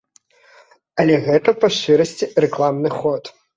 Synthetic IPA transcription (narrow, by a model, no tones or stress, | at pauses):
ɐlʲɛɣɛt̪ɐpɐʂt͡ʂɨɾɐsʲt͡sʲirɛklˠamnɨxɔt̪